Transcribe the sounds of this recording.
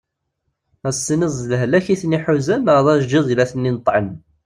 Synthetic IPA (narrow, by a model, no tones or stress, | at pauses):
æsˤːinəzˤəlɦlæçiθniħuzænəɾðˤæʒd͡ʒiðˤilæθənːinət̪ˤʕən